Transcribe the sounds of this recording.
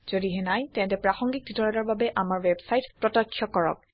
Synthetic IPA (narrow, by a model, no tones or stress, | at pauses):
z̥odiɦɛnajtɛ̃ntɛpɹaxɔŋɡik̚ditɔɹɔdaɹbabɛʔamaɹwɛbsajtpɹɔtakʰːjɔkɔɹɔ̰k̚